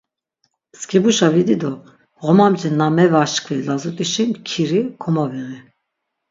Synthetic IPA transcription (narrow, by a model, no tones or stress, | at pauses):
skʰʼibuʃavid̪id̪ɔ | ɣɔmamd͡ʒinamɛvaʃkʰʼvilazut̪ʼiʃimkʰiɾikʰɔmaviʁi